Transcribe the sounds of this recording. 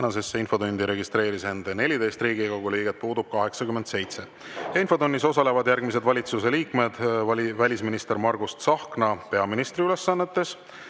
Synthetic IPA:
ænɑse̞sːeinfo̞d̪unʲd̪iɾe̞ɡist̪ɾe̞ːɾise̞nd̪̥ene̞lʲid̪e̞jst̪riːɡiɡɑɡulijɡet̪̚puːd̪ub̥̚kɑɦe̞ksɑkymːe̞nd̪se̞jt̪se̞ | jɑinfo̞d̪unʲːiso̞sɑle̞vɑd̪jærɡ̥mise̞d̪vɑlʲit̪suse̞liːkmed̪̥vælʲisminist̪e̞ɾmɑrɡust̪sɑhknɑpe̞ɑminist̪ɾiyle̞sːɑnːe̞t̪ːe̞s

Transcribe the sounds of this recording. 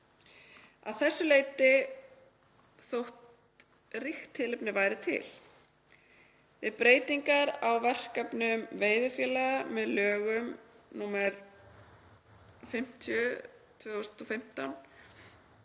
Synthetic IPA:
a̰ðθɛsːʏleːjt̪ɪ | θowht̪ | rixt̪ʰːɪlɪpnɪvaːjɾɪt̪ʰɪ̰l | vɪðpɾeːjt̪iŋkaɾawvɛr̥kapnʏmveːjðʏfjɛːlɛɣamɛðlœːɣʏm | nuːmɛɾ | fɪm̥t̪ʰjʏt̪ʰvʏːost̪ʰɔfɪm̥t̪awn

